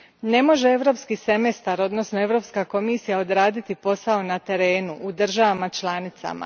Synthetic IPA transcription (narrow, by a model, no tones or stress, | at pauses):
ne̞mo̞ʒe̞e̞ʋɾo̞ːpskisemest̪aɾo̞d̪no̞sno̞e̞ʋɾo̞pskako̞misijao̞d̪ɾaːd̪it̪ipo̞sao̞nat̪e̞ɾe̞ːnuʔud̪r̩ʒaʋamat͡ʃlˠaːnit̪sa̰ma̰